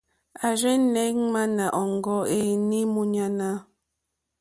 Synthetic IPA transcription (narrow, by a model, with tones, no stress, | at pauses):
a˨ʒɛ˦nɛ˦ŋ˦ma˦na˨ʔɔ˨ŋ˨ɡɔ˦e˨ni˦mu˦ɲa˦na˦